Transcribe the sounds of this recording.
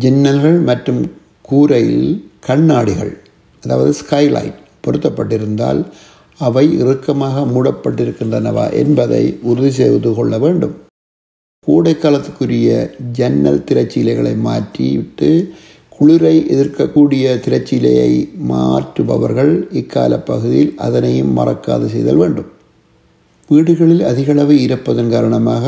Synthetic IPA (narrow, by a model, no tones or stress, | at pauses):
d͡ʒɛnːɐlɣɐɭmɐʈrɯm | kuːɾɐjɪ̰lkɐɳːaːɽɪɣɐ̰ɭ | ɐðaːʋɐðɯskɐɪlɐ̰ɪn | pɔɾɯt̪ːɐpːɐʈːɪɾɯnd̪a̰ːl | ɐʋɐɪɪ̰rɯkːɐmaːɣɐmʊɽɐpːɐʈːɪɾɯkːɪndrɐnɐʋa̰ːʔɛ̰nbɐðɐ̰ɪʊɾɯðis̬eːʋðɯkɔɭːɐʋeːɳɖɯm | kuːɽɐɪkːaːlɐt̪ːɯkːɯɾɪjɐd͡ʒɛnːɐ̰lt̪ɪɾɐt͡ʃːɪlɐɪɣɐɭɐ̰ɪma̰ːʈrḭɪʈːɯ | kʊɭɪɾɐɪʔɛðɪrkɐkːuːɽɪjɐt̪ɪɾɐt͡ʃːɪlɐ̰jɐ̰ɪmaːʈɯʋɐ̰ʋɐ̰ɾɣɐɭɪkːa̰ːlɐpːɐɣɯðɪjɪlʔɐ̰ðɐnɐjɯmːɐ̰rɐ̰kːa̰ːðɐsɛjðɐ̰lʋeːɳɖɯm | ʋiːɽɯɣɐɭɪlɐðɪɣɐɭɐʋɯɪɾɐpːɐðɐnkaːɾɐɳɐmaːɣɐ